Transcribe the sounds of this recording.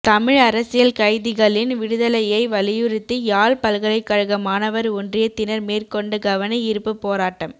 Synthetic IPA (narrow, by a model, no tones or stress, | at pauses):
t̪ɐmɪɻɐɾɐsɪjɐlkɐɪðɪɣɐɭɪnʋɪɽɯðɐlɐjɐɪʋɐlɪjɯɾɪt̪ːɯjaːlpɐlɣɐɭɐɪkːɐɻɯɣɐmaːnɐʋɐɾʊndrɪjɐt̪ːɪnɐɾmeːrkɔɳɖɯɡɐʋɐnɐɪɾɯpːɯpːoːɾaːʈːɐm